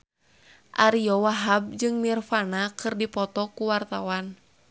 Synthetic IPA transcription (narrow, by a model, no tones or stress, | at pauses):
ʔaɾiɔwaɦab̚d͡ʒɨŋnirfanakɨrdipɔt̪ɔkuwart̪awan